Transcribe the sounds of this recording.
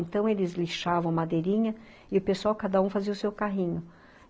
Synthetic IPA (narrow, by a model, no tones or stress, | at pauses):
nt̪ɐ̃w̃elɪzliʃavɐ̃w̃mad̪ejɾĩɲɐ | ɪʊpeswawkad̪ɐũfaziɐʊsewkaɦĩɲʊ